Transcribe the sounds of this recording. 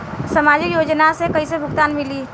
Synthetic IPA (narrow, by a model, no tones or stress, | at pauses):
sɐmaːd͡ʒɪkjoːd͡ʒnasekɐis̬ebʱʊɡt̪aːnmɪliː